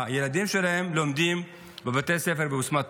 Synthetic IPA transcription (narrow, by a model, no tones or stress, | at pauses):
jelad̪imʃelahemlo̞md̪im | bevat̪ejsefeʁbeusmat